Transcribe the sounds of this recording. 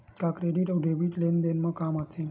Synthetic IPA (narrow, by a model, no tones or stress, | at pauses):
kakɾeɖiʈɔwɖebiʈlend̪enmɔ̃kamat̪ʰẽ